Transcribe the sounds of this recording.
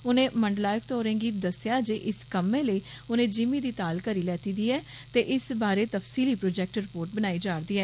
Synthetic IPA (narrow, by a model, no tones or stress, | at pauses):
ʊnẽːməɳɖlaːjəkt̪oːɾẽːɡiːd̪əsjaːd͡ʒeːʔɪskəmːẽːləiːʊnẽːd͡ʒɪmiːd̪iːt̪aːlkəɾiːlɛːt̪iːd̪iːɛː | t̪eːʔɪsbaːɾeːt̪əfsiːliːpɾoːd͡ʒɛːk̚ʈɾɪpoːɾʈbənaːiːd͡ʒaːɾd̪iːɛː